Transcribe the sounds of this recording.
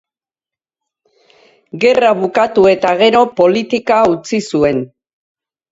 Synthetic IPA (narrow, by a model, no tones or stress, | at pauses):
ɡe̞raβ̞ukat̪ue̞t̪aɣ̞e̞ɾo̞po̞lit̪ikaut͡sisue̞n